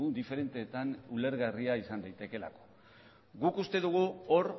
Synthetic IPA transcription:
ud̪ife̞ɾe̞nt̪e̞ːt̪anule̞ɾɣariaisand̪ajt̪e̞ke̞la̰ko̥ | ɡukust̪e̞ðuɣ̞uo̞ɾ

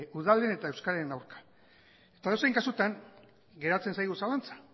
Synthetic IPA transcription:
uð̞alene̞t̪ae̞wskaɾaenawɾkḁ | e̞̥t̪aðewsejŋkasut̪aŋ | ɡe̞ɾat͡se̞nsajɣ̞usalant͡sḁ

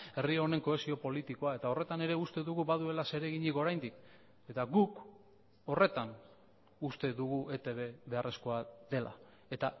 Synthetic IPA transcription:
e̞rione̞ŋko̞e̞sio̞po̞lit̪iko̞ae̞t̪ao̞re̞t̪ane̞ɾe̞ust̪e̞ðuɣuβaðue̞lase̞ɾe̞ɣiɲiko̞ɾajnd̪ik | e̞t̪aɣuk | o̞re̞t̪an | ust̪e̞ðuɣuʔe̞t̪e̞βe̞βe̞are̞sko̞aðe̞lʔa̰ | e̞t̪a

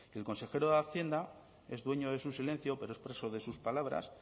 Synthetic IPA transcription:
e̞lko̞nse̞xe̞ɾoðaθje̞nd̪a | e̞zðwe̞ɲo̞ð̞e̞susile̞n̟θjo̞peɾoespɾeso̞ðe̞suspalaβ̞ɾa̰s

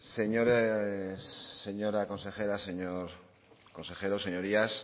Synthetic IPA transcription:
seɲoɾesːeɲoɾako̞nse̞xeɾaseɲoɾ | ko̞nse̞xeɾoseɲoɾias

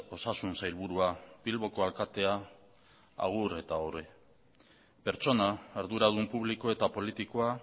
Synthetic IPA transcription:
o̞sasunsajlβuɾuapilβo̞ko̞alkat̪e̞a | a̰ɣ̞uɾe̞t̪aoɾe | pe̞ɾt͡ʃo̞naeɾðuɾað̞umpuβ̞liko̞e̞t̪apo̞lit̪ikoa

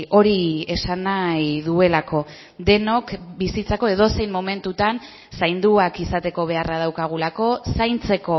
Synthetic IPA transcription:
o̞ɾie̞sanajðue̞lako̞ | d̪e̞no̞kbisit͡sako̞e̞ð̞o̞se̞jnmome̞nt̪ut̪an | sajnd̪uakisat̪e̞ko̞β̞e̞arað̞awkaɣ̞ulako̞sajnt͡se̞ko̞

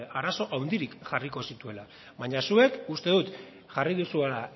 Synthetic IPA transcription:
aɾaso̞ʔawnd̪iɾikʝariko̞sit̪ue̞la | βaɲasue̞kust̪e̞ðut̪ | ʝariðusuela

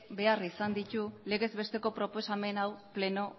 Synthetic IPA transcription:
be̞arisand̪it̪ule̞ɣe̞zbe̞st̪e̞ko̞pɾo̞po̞same̞nawple̞no̞

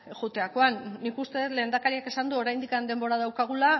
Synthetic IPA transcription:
ɣut̪e̞ako̞anːikust̪e̞ðet̪le̞ːnd̪akaɾiake̞sand̪uo̞ɾajnd̪ikand̪e̞mbo̞ɾað̞awkaɣ̞ula

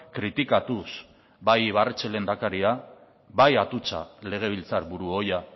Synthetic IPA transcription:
kɾit̪ikat̪us | bajβaret͡ʃelend̪akaɾia | βajat̪ut͡sa̰le̞ɣ̞e̞β̞ilt͡saɾβuɾuo̞ja

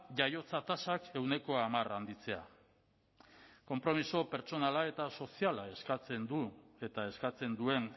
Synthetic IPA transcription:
ʝajo̞t͡sat̪asake̞wne̞ko̞amarand̪it͡se̞a̰ | ko̞mpɾo̞miso̞pe̞ɾt͡so̞nalae̞t̪aso̞sialae̞skat͡se̞nd̪ue̞t̪ae̞skat͡se̞nd̪ue̞n

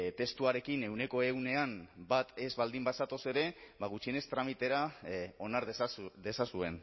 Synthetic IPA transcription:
t̪e̞st̪uaɾe̞kine̞wne̞ko̞e̞wne̞ambat̪e̞zβald̪imbasat̪o̞se̞ɾe̞baɣut͡ʃie̞ne̞st̪ɾamit̪e̞ɾao̞naɾððe̞sasue̞n

